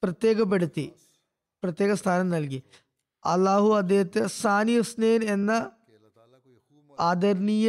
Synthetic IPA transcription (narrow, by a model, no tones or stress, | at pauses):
prɐt̪je̞ːɣɐp̬ːeɽut̪ːi | prɐt̪je̞ːɣɐst̪ʰaːnɐmnɐlk̬i | ɐlːaːɦuɐd̪ːeːɦɐt̪ːesaːnijɐsneːnenːɐ | aːd̪ɐɾnijɐ